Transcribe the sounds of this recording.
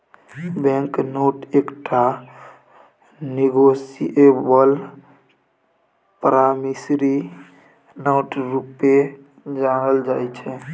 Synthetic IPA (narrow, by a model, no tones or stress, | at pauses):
bɛ̃ŋknoʈekʈʰa | niɡosiʔebəl | pəɾamisɾi | noʈɾupe | d͡ʒanəld͡ʒajt͡ʃʰɛ